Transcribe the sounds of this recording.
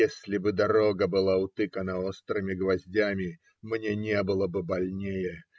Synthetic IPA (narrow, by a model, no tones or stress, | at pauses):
esʲlʲɪbɨd̪ɐɾo̞ɡəbɨlˠaʊt̪ɨkənəost̪ɾɨmʲɪɡvɐzʲdʲamʲɪ | mnʲenʲebɨlˠəbɨbɐlʲnʲejə